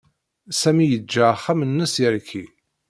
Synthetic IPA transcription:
sæmijəd͡ʒːæχːæmənːəsiɾkʰi

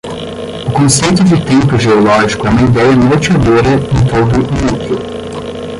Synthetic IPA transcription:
ʊkõsejt̪ʊd͡ʒɪt̪ẽmpʊʒeolɔʒikʊɛũmɐid̪ɛjɐnot͡ʃad̪oɾɐẽnt̪od̪ʊnukʊ

